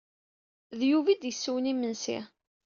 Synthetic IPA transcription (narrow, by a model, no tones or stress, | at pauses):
ðjuvid̪jəsːuwnimənsḭ